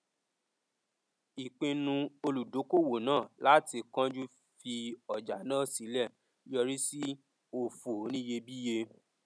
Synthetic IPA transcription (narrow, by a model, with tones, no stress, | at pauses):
i˨k͡pĩ˧nũ˧o˧lu˨do˨˦ko˦˨wo˨nãː˦˨la˦ti˧kã˦d͡ʒu˦ | fi˧ɔ˨d͡ʒa˨nã˦˨si˨˦lɛ˦˨ | jɔ˧ɾi˦si˦ | o˧fu˨˦nĩ˦je˧bi˦je˧